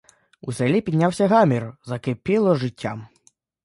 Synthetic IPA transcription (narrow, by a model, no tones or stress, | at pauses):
usɛlʲipʲid̪ʲnʲawsʲɐɣamʲiɾɔzɐkepʲilˠɔʐɪtʲːa̰m